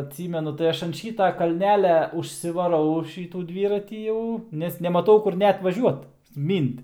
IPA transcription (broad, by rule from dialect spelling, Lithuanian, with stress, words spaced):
ɐtʲˈsʲiːmʲɛnʊ tɐɪ ˈɐʃ ɐn ˈʃʲiːtɐ kɐlʲˈnʲæːlʲɛ ʊʃʲsʲɪʋɐˈrɐʊ ˈʃʲiːtuː ˈdʲʋʲiːrɐtʲiː ˈjɛʊ nʲɛs nʲɛmɐˈtɐʊ kʊr ˈnʲɛt ʋɐˈʒʲuɔt ˈmʲiːnt